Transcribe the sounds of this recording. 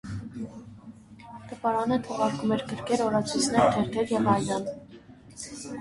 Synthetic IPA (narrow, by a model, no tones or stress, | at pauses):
t̪əpɑɾɑnət̪ʰɔʁɑɾkumɛɾkəɾkʰɛɾɔɾɑt͡sʰujt͡sʰnɛɾt̪ʰɛɾt̪ʰɛɾjɛvɑjlɑn